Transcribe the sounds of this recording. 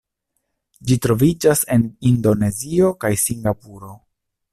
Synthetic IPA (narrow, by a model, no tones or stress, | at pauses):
d͡ʒitɾo̞vid͡ʒase̞nindo̞ne̞zio̞kajsiŋɡapuɾo̞